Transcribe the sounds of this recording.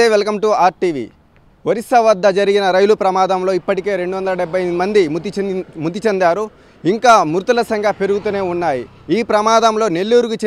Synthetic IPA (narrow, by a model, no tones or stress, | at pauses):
eːʋelɐkɐmʈuaːɾʈiːʋḭː | ʋɐɾisɐʋɐd̪ʱːɐd͡ʒɐɾiɡinɐɾɐjlupɾɐmaːd̪ɐmlo̞ːipːɐʈike̞ːɾe̞ɳɖuʋɐnd̪ɐlɐɖɛbʱɐj̪imɐnd̪imimud̪ːit͡ʃɐnd̪aːɾu | iŋkaːmuɾt̪ulɐsɐŋɡʱapeɾuɡut̪uːne̞ːunːaːji | iːpɾɐmaːd̪ɐmlo̞ːne̞lːuːɾuɡut͡ʃe